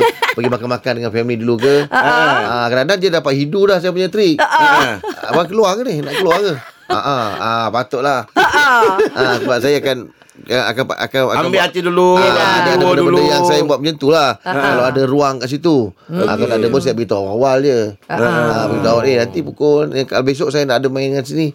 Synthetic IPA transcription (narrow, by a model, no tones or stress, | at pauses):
pəɡimakanmakandəŋanfɛmlidulukə | akəɾanad͡ʒədapat̪̚ɦidulahs̬ajap̬uɲat̪ɾik | bak̬əluakənɪhnaʔkəluakəa̰ʔaapat̪ʊʔlah | ʔakbasajaːkan | aa̰kaa̰ʔa̰kaa̰aambɪat̪iduluadadadabədəjansajambuat̪̚məɲənt̪ulahkalaadaɾuaŋkaʔs̬it̪ua̰kanadabəns̬ajabəɡit̪aʔawald͡ʒə | abəɡit̪aawaʔinant̪ipukonakalabes̬oʔ̚sajanaʔdamaindəŋans̬ini